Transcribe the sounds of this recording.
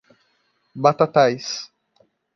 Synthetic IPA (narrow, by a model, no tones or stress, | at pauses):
bat̪at̪ajs